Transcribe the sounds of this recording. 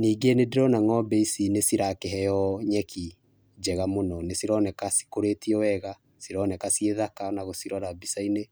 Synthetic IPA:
niːɡenedeɾɔnaŋɔbɛisinesiɾakɛɦɛjɔɲɛkʰi | d͡ʒɛɣamonɔnesiɾɔnɛkasi̥koɾetiɔwɛɣa | siɾɔnɛkasieðakanaɣosiɾɔɾabisaine

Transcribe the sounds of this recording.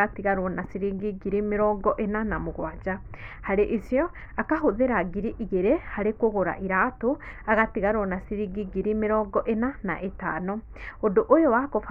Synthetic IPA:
atiɣaɾonasiɾiɡiɡiɾimiɾoːɡoʔenanamuɡwaːd͡ʒa | haɾiʔisjo | akaɦuðeɾaɡiɾiʔiɡeɾehaɾikuɣoɾa̰ʔiɾatuaɣatiɣaɾonasiɾiɡiɡiɾimiɾoːɡoʔenana̰ʔeta̰ːno | oduʔojowakof

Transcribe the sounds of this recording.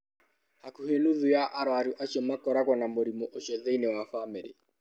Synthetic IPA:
hakuhenuðujaʔaɾwaɾuʔaʃɔmakɔɾaɣwɔnamoɾimɔʔoʃɔðeinewafamiɾḭ

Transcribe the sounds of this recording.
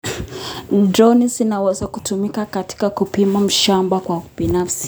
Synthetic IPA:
dɾɔnizinawɛzakutumikakati̥kakupimam̩ʃambakwabinafsi̥

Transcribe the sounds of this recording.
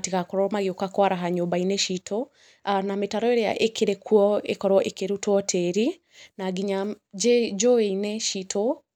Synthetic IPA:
tikakɔɾɔmaɣiukakwaɾaɦaɲɔbainɛʃitʰɔ | anametaɾɔeɾɛa̰ʔekeɾɛkʰuɔekɔɾɔʔekeɾutɔtʰɛɾi | naɡiɲad͡ʒɛd͡ʒɔeinɛʃitʰɔ

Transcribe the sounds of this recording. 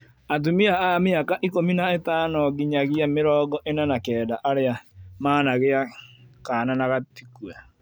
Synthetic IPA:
at̬umiaameakaʔikominaetaːnɔɣiɲaɣiameɾɔːɡɔʔenanakɛːdaʔaɾeamaːnaɣeakaːnanaɣatikwa

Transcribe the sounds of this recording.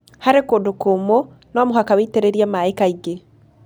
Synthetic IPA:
haɾekodokomo | nɔmoɦakaweteɾeɾiamaaikaiɡe

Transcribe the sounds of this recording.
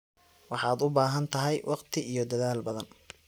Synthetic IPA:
wɑħɑːd̪ʊbaːɦɐnt̪ʰɐɦɛjwʔɑqt̪ʰɪʔijɞd̪ɐðaːlbɐðɐn

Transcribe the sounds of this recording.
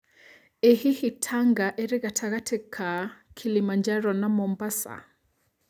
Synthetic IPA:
ehihitʰaŋɡaʔɛɾiɣatʰaɣatʰɛkʰakʰilimand͡ʒaɾɔnamɔmbasa̰

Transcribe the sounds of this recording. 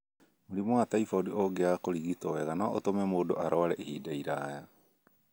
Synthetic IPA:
muɾimoatajfaodioɡeakoɾiɡitoeɣanaʔotomemodoʔaɾoaɾeʔihidaijɾaja

